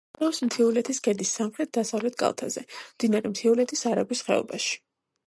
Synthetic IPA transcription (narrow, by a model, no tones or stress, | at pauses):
ɾɔpsmt̪ʰiulɛt̪ʰisɡɛd̪isːamχɾɛt̪̚d̪asavlɛt̪̚ʰkʼa̰lˠt̪ʰa̰zɛ̰md̪inaɾɛmt̪ʰiulɛt̪ʰisaɾabisχɛ̰ɔ̰baʃi̥